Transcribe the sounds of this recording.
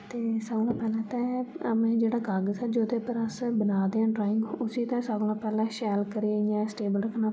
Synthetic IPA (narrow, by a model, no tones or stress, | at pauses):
t̪eːsaːɡɽãːpɛːlɛ̃ːt̪ɛ̃ːəmɛ̃ːd͡ʒeːɽaːɡaɡsɛːd͡ʒoːd̪eːpəɾəsbənaːd̪eãːɖɾaːɪ̃ŋɡʊsiːt̪ɛ̃ːsaːɡlãːpɛːlɛ̃ːʃɛːlkəɾiejãːsʈeːbəlɾəkʰnãː